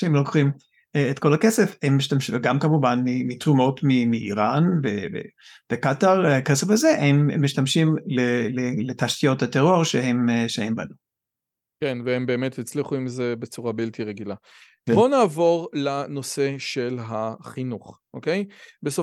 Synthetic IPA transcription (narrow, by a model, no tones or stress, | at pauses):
ʃeemloko̥χim | eetko̞lakesefhemːiʃtamʃiɡamkamuvanmimit̪ʁumo̞tmimiːʁanvevḛb̥ekataʁkesefazehemːiʃtamʃimleleletaʃtijo̞thateʁo̞ʁʃehemʃehemba̰nu | kenveembe̞ːmet̪hit͡sliχuimzebet͡suʁabiltiʁeɡila | bonaːvo̞ʁlano̞seʃelɦaχinuχʔokejbeso